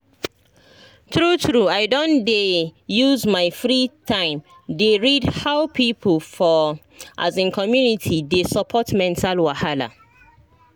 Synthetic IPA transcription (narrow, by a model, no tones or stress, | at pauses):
tɹutɹuaɪdõndejuzmaɪfɹitʰãɪ̃m | deɹidhaʊpʰipʰlfɔ | ʔa̰zĩnkʰɔmjunitʰidesɔpʰɔtmɛ̃ntʰalwahala̰